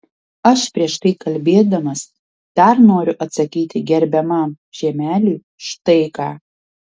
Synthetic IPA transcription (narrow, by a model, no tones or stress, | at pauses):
ɐʃpʲɾʲiɛʃt̪ɐɪkɐlʲbʲeːd̪ɐmɐs | d̪̥ɐɾnoːɾʲʊʔɐt̪sɐkʲiːt̪ʲɪɡʲɛɾʲbʲɛmɐm | ʒ̥ʲiɛmʲæːlʲuː | ʃt̪ɐɪkɑː